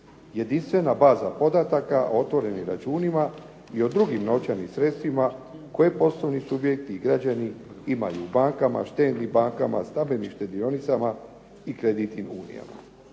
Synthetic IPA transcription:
je̞d̪inst̪ʋe̞nabaːzapo̞d̪at̪akaʔoo̞t̪ʋo̞ɾe̞niɾat͡ʃuːnima | io̞d̪ɾuɡimno̞t͡ɕanisɾe̞t̪st̪ʋimako̞je̞po̞slˠo̞ʋnisubje̞k̚t̪iːɡɾad͡ʑani | ima̰juːbaŋkama̰ʃt̪e̞ːd̪nibaŋkama̰st̪abiniʃt̪e̞d̪io̞nit̪sama | ikɾe̞d̪it̪inuːnḭja̰ma̰

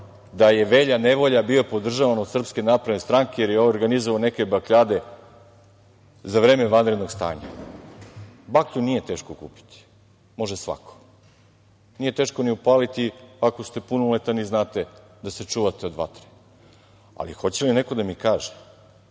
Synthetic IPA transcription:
d̪aje̞ʋe̞ʎaneʋo̞ʎabiopo̞d̪r̩ʒaʋanod̪sr̩pskenaːpɾed̪nest̪ɾaŋkejeɾjeooɾɡanizoʋaone̞ke̞bakʎaːd̪e̞ | zaʋɾe̞ːmeʋanɾed̪no̞ɡst̪a̰ːɲa̰ | bakʎunije̞t̪e̞ːʃkokṵːpi̥t̪i̥ | mo̞ʒesʋa̰kʰo̥ | nije̞t̪e̞ːʃko̞niupaːlit̪iako̞st̪e̞punulet̪aniznaːt̪e̞ | d̪aset͡ʃuːʋat̪eo̞d̪ʋa̰t̪ɾi̥ | a̰lḭxo̞t͡ɕeline̞ko̞d̪amikaːʒe̥

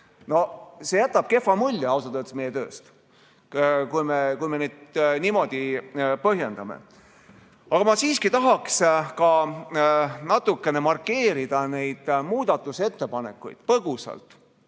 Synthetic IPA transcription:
no̞se̞jæt̪ːˑɑb̥̚ke̞fːɑmulʲːjɑɑws̬ɑt̪ɤːt̪e̥sme̞jːet̪ø̞ːst̪ | kujmekujme̞neːd̪nimo̞d̪̥ipɤɦje̞nd̪̥ɑmḛ | ɑɡ̥ɑmɑsiːskit̪ɑɦɑkskɑ | nɑt̪ːˑukːe̞ne̞mɑrkːe̞ːɾid̪̥ɑne̞jd̪̥muːd̪̥ɑt̪ːˑuse̞t̪ːe̞pɑne̞kːˑṵjd̪̥pɤɡ̥usɑ̰lt̪ˑ

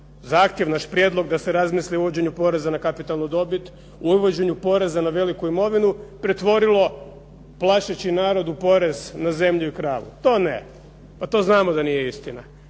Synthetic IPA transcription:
zaːxt̪jeʋnaʃpɾjed̪lˠo̞ɡd̪aseɾazmisliuʋod͡ʑe̞ɲupo̞ɾe̞zanakapit̪alnud̪o̞bit̪ | uuʋod͡ʑe̞ɲupo̞ɾe̞zanaʋe̞likuimo̞ʋinupɾe̞t̪ʋo̞ɾilˠo̞ | plˠaʃet͡ɕinaːɾo̞d̪upo̞ɾe̞znaze̞mʎuikɾaːʋṵt̪o̞ːnḛ | pat̪o̞znaːmod̪anijeist̪ina

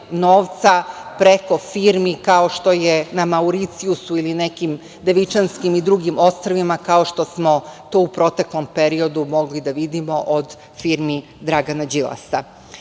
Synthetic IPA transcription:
noːʋt̪sapɾe̞ko̞fiːɾmikao̞ʃt̪o̞jenamauɾit̪siusuiline̞kim | d̪e̞ʋit͡ʃanskimid̪ɾuɡimo̞st̪ɾoʋimakao̞ʃt̪o̞smo̞t̪o̞ːupɾo̞t̪eklˠo̞mpe̞ɾio̞d̪umo̞ɡlid̪aʋid̪imo̞ʔod̪ | fiːɾmi | d̪ɾaɡanad͡ʑilˠa̰sa

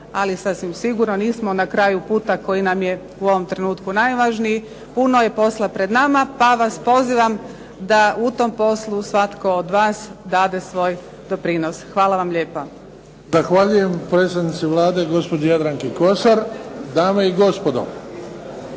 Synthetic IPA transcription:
alisasʋimsiɡuɾnoniːsmo̞nakɾaːjupuːt̪ako̞jinamje̞ | uo̞ʋomt̪ɾe̞nuːt̪kunajʋaʒnii | punoje̞po̞slˠapɾe̞d̪namapaʋaspo̞ziʋam | d̪aut̪o̞mpo̞slˠusʋat̪ko̞ːd̪ʋaːsd̪aːd̪e̞sʋo̞ːj | d̪opɾiːnosxʋaːlˠaʋamʎeːpo | zaxʋaːʎujempɾeːst̪ad̪nit̪siʋlˠaːd̪eɡo̞spod͡ʒejad̪ɾaŋkiko̞saɾd̪aːmeiɡo̞spod̪o̰

